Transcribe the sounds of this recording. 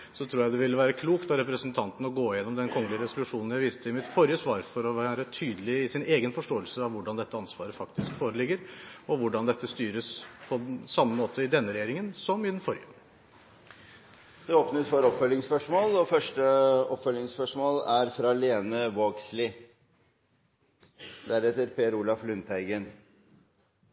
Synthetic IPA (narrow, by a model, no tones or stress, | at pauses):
sɔt̪ʰɾuːɾjæɪd̪ɛʋɪlːəʋæːɾəkʰluːkt̪ɑɾɛpɾəsənt̪ʰɑnt̪n̩ɔɡoːjɛnːɔmd̪ɛnkʰɔŋːəlɪəɾɛsʊlʉʂuːnn̩jæɪʋiːst̪ʰəɪmɪt̪fɔɾjəsʋɑːɾfɔɾɔʋæːɾət̪ʰyːd̪əlɪɪsɪneːɡənfɔʂʈoːəlsəɑʋʋʊɖɑnd̪ɛt̪ːəɑnsʋɑːɾəfɑkt̪ɪskfoːɾəlɪɡːəɾɔʋʊɖɑnd̪ɛt̪ːəst̪yːɾəspʰɔsɑmːəmoːt̪ʰəɪd̪ɛnːəɾɛjeːɾɪŋənsɔmɪd̪ɛnfɔɾjə | d̪ɛoːpnəsfoɾɔpfœlːɪŋspœʂmoːlɔfœʂʈəɔpfœlɪŋspœʂmoːlæɾfɾɑleːnəʋoːɡslɪ | d̪æɾɛt̪ːəɾpeːɾulɑflʉnt̪æɪɡən